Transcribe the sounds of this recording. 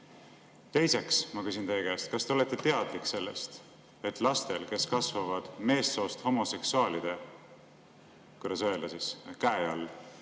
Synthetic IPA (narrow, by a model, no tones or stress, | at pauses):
t̪e̞jse̞ksmɑkysinejːekæːst̪̚kɑst̪e̞o̞le̞t̪ːˑet̪e̞ɑd̪̥likːˑse̞lːe̞̰st̪ | e̞t̪ːˑlɑst̪e̞lke̞skɑsvɑvɑd̪̥me̞ːsːo̞ːst̪ho̞mo̞se̞ksuɑːlid̪̥e̞ | kuɾɑs̬oelːɑsiskæeɑ̰lː